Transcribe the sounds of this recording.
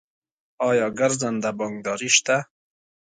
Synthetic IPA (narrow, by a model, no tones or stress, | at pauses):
ɑjɑɡaɾzand̪abɑŋɡ̚d̪ɑɾiʃt̪a